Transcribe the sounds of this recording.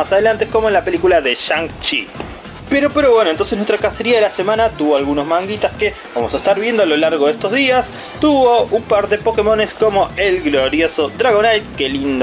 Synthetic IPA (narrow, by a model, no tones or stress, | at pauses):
asaðe̞lant̪eko̞moenlape̞likulaðeʃaŋkt͡ʃḭ | peɾo̞peɾo̞βwenoent̪o̞nsenwest̪ɾakaseɾiaðelase̞mãnat̪uβo̞alɣuno̞zmãŋɡit̪aske | βamosaest̪aɾβje̞nd̪oalo̞laɾɣoðest̪o̞zðias | t̪uβo̞umpaɾðe̞po̞kemo̞nesko̞mo̞elɣlo̞ɾjosod̪ɾaɣ̞onajt̪̚kelind̪